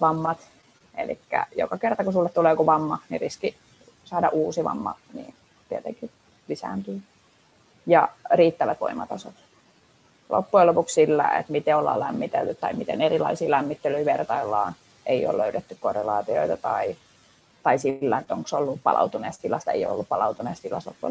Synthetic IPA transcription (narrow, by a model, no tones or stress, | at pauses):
ʋɑmːɑt̪ | ḛlḭkːæ̰jo̰kɑkert̪ɑkusulːet̪t̪uleːkuʋɑmːɑniriski | sɑːdɑʔuːsiʋɑ̰mːɑ̰nḭːn | t̪iet̪eŋki | lisæ̰ːnt̪yː | jɑriːt̪ːæʋæt̪ʋo̰imɑt̪ɑsot̪ | lʔo̰pːuelopukssilːæ̰ḛt̪mit̪eolːɑ̰ːlæmːit̪elt̪yt̪t̪ːɑimit̪enerilɑisiːlæmːit̪ːelyiʋert̪ɑilːɑːn | ʔeio̰ːløydet̪ːykkorːelɑːt̪io̰it̪ɑt̪ɑi | t̪ɑisilːæet̪ːoŋksolːuppɑ̰lʔɑ̰ut̪uneːst̪ilɑst̪ɑḛijo̰o̰lːuppɑlɑut̪uneːst̪ilɑ̰slo̰pːuḛ